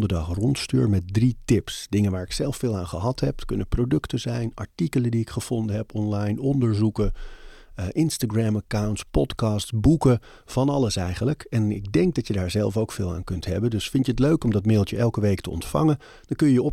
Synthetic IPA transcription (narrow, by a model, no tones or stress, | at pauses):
ndəɹdɑχrɔntstyːɹmɛt̚dritɪpsd̥ɪŋənʋaːɹɪksɛlˠfɪːlˠaːnχəɦɑtɦɛp̚kɵnəprowdɵktəzɛjnɑ̰ɹtikələndiɪkχəv̥ɔndəɦɛpɔnlɑjnɔndəɹzukə | ʔɪnstaɡɹaməkawntspɔtkɑːstbukə | v̥ɑnɑləsɛjχənləkɛnɪɡ̚dɛŋɡ̚dɑtjədaːɹzɛlˠfowkfɪːlˠa̰ːŋkɵntɦɛbəndɵsfɪntjəətløɥkɔmdɑtmɪdlˠtəʔɛlˠkəʋejktə̰ɔ̰ntfɑ̰ŋə | d̥ɑnkɵjəjəɔ